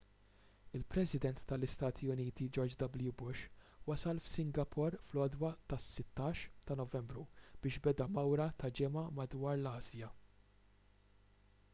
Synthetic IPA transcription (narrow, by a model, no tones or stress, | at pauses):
ɪlpɾɛsɪd̪ɛnt̪ːɐlɪst̪ɐːt̪ʰiʊniːt̪id͡ʒɔɾd͡ʒd̪ɐbljubʊʃwɐsɐlfsɪŋɡɐpʰɔɾflɔːd̪wɐt̪ɐsːɪt̪ːɐːʃt̪ɐnɔvɛmbɾub̥ɪːʃbɛd̪ɐmɐwɾɐt̪ɐd͡ʒɪmɐmɐd̪wɐːɾlɐːzjɐ